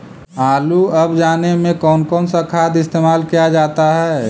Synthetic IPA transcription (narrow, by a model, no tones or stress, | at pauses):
aːluɐbd͡ʒaːnemẽkɔːnkɔːnsakʰaːd̪ɪst̪eːmaːlkijad͡ʒaːt̪aɦɛː